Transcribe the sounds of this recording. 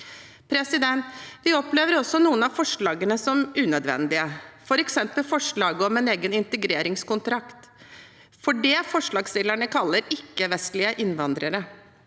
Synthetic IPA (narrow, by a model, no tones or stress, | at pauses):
pʰɾɛsɪd̪ɛnt̪ʋɪɔpleːʋəɾɔsːɔnuːənɑfɔʂɭɑːɡənəsɔmʉːnœd̪ʋɛ̰nd̪ɪəfɔɾɛksɛmpəlfɔʂɭɑːɡəɔmɛneːɡənɪnt̪əɡɾeːɾɪŋskʊnt̪ɾɑkt̪ | fɔɖɛːfɔʂɭɑːɡsɪlːəɳəkʰɑlːəɾɪkːəʋɛst̪lɪəʔɪnʋɑnd̪ɾəɾə